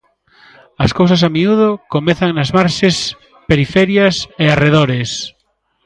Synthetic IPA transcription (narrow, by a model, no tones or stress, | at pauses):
ɐskowsɐs̬amiuð̞okomeθaŋnazmaɾʃes | peɾifɛɾjaseareðoɾes